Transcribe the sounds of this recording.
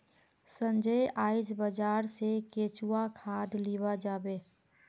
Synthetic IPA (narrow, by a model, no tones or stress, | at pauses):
sənd͡ʒəjaːid͡ʒbəd͡ʒaːɾsekeːt͡ʃuakʰaːd̪liβad͡ʒaːbeː